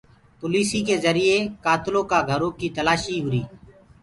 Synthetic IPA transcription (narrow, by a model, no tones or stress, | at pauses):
poːliːsiːkeːzəɾɪeːkaːt̪lõːkaːɡʱəɾõːkiːt̪əlaːʃiːɦʊɾiː